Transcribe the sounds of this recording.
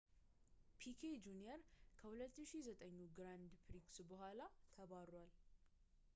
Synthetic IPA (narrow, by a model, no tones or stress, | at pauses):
pʰikʰed͡ʒunijɛɾkʰəhulət̪ːɨʃizət̪ʼəɲːuɡɾand̪pɾiksbəɦʷalat̪ʰəβaɾwal